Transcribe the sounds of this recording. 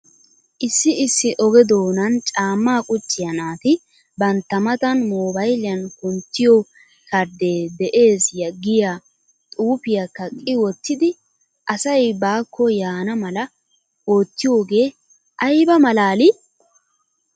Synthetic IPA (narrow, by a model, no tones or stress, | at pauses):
ʔɪsːɪɪsːɪʔɔɡɛd̪oːnɐnt͡ʃʼaːmːaːkʼʊt͡ʃʼːɪjɐnaːt̪ɪ | bɐnt̪ːɐmɐt̪ɐnmoːbɐjlɪjɐnkʊnt̪ːɪjɔ | kɐɾd̪e̞ːd̪ɛʔe̞ːsjɐɡːɪja | t̪ʼuːpɪjakːɐkʼːɪwɔt̪ːɪd̪ɪ | ʔɐsɐjbaːkʰːɔjaːnɐmɐlɐ | oːt̪ːɪjo̞ːɡe̞ː | ʔɐjbɐmɐlaːlɪ